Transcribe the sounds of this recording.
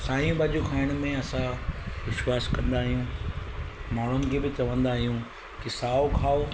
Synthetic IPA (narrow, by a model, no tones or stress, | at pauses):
saːijũbaːd͡ʑukʰaːɪɽ̃̆mẽɐsãʋɪʃwaːskɐ̃nd̪aːɦijũː | maːɳ̤ʊnɪ̆kʰeːbɪt͡ɕɐʋə̃nd̪aːɦijũ | kɪsaːokʰaːo